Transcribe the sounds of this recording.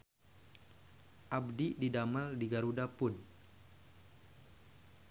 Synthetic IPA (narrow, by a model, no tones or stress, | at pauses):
ʔabdididamaldiɡaɾudapʊn